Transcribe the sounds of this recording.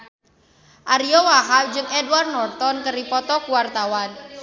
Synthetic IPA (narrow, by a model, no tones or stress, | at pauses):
ʔaɾiɔwaɦad͡ʒɨŋɛdwarnɔrt̪ɔnkəɾipɔt̪ɔkuwart̪awan